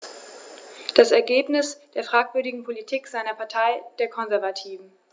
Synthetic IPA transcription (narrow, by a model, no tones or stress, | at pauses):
d̥asɛɐɡeːpnɪsd̥eːɐfʁ̥aːkv̥ʏɐdɪɡŋ̩pʰolitʰiːkz̥aɪnɐpʰaɐtʰaɪd̥eːɐkʰɔnzɛɐvatʰiːvn̩